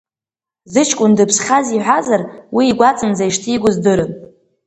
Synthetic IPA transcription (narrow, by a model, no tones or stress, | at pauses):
zɨt͡ʃʰkʷʼʊndɨpʰsχʲaziħʷazarwiːɡʷat͡sʼɨnzajʂtʰiɡʷʊzdɨɾɨn